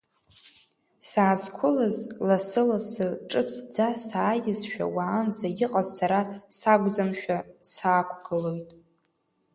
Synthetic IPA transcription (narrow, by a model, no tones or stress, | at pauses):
saːzkʷʰʊlazlasɨlasɨʈ͡ʂʼɨt͡sʰd͡zasaːjɪzʃᶣa̰waːnzajɪqʼazsaɾasaɡʷd͡zamʃᶣasaːkʷʰɡɨlo̞jtʼ